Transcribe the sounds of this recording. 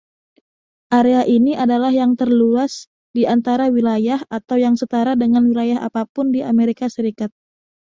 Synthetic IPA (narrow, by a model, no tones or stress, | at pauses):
ʔaɾeaʔiniʔadalahjaŋt̪ərluas | diant̪aɾawilajahʔat̪awjaŋsət̪aɾadəŋanwilajaɦa̰papʊndiʔameɾikasəɾikat̪̚